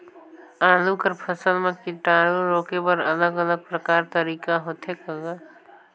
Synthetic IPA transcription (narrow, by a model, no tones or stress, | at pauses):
aːlukəɾpʰəsəlmẽkɪʈaːɾuɾoːkebəɾələɡələɡ̚pɾəkaːɾt̪əɾiːkaɦot̪ʰekəɡa